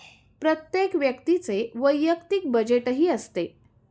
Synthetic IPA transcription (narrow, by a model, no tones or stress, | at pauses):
pɾət̪jekʋjəkt̪it͡seʋəjːəkt̪ik̚bəd͡ʑeʈɦiːəst̪e